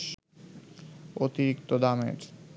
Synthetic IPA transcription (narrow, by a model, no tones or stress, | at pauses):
ot̪iɾikt̪od̪amḛd͡ʑ